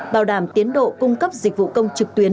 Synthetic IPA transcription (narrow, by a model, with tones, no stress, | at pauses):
ɓaː˨˩wɗaː˧˩mt̪i˨˦ənɗo̰˧˨kʊ˧ŋ͡mkə˦˥p̚zi˨˩k̟̚vṵ˧˨kə˧wŋ͡mt͡ɕɨ˨˩k̚t̪wi˨˦ə